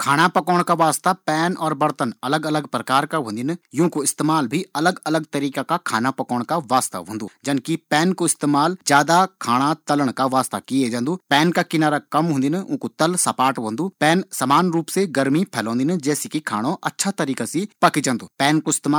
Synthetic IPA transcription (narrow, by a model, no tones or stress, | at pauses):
kʰaːñapɐkɔːɽ̃kaʋaːst̪apɛːnɔːɾbəɾt̪ənɐləɡələɡpɾəkaːɾkaɦʊ̃ːnd̪ɪnjõːkoɪst̪eːmaːlbʱiɐləɡɐləɡt̪əɾiːkakakʰaːnapɐkɔːɽ̃kaʋaːst̪a̰ɦʊ̃ːnd̪ṵːd͡ʒɐnkipɛːnkoɪst̪eːmaːld͡ʒjaːd̪akʰaːɽ̃at̪ɐləɽ̃kaʋaːst̪a̰kied͡ʒãːnd̪uːpɛːnkakɪnaːɾakɐmɦʊ̃ːnd̪ɪnʊ̃ːkut̪əlsɐpaːʈbõːnd̪uːpɛːnsɐmaːnɾuːpseɡəɾmipʰɛːlɔ̃ːnd̪ɪnd͡ʒɛːsikikʰaːɽ̃õʔɐtːʃʰat̪ɐɾiːkasipɐkid͡ʒãːnd̪uːpɛːnkoɪst̪eːmaː